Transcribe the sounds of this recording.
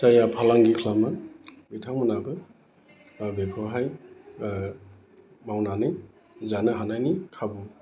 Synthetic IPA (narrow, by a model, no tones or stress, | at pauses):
tajapʰalaŋɡikʰlama | bitʰaŋmunabɯ | bekʰɔɦaj | mawnanɯj | zanɯɦanajnikʰabɔ